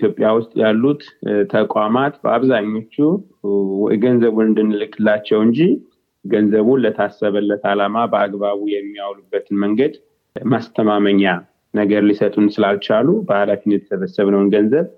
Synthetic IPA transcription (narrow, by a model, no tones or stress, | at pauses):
t̪jo̞pʼjawʊst̪ʼjalːut̪t̪ʰəkʼamat̪bə̰aβzaɲːo̞t͡ʃːu | ɡənzəβunɨnd̪ɨnːɨlɨkʼːɨlːat͡ʃːɛwɨɲd͡ʒi | ɡənzəβunlət̪ʰasːəβəlːət̪alamabəaɡbaβujɛmːijawlubːət̪ʰɨnməŋɡəd̪ | mast̪ʰəmaməɲːa | nəɡəɾlisət̪ʼunsɨlalt͡ʃalubəhalafinːət̪ʰəsəβəsəβnəwnɡənzəβ